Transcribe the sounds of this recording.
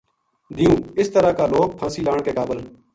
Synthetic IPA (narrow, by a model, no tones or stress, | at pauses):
d̪iːũːɪst̪əɾaːkaːloːk̚pʰãːsiːlaːɳkeːkaːbəl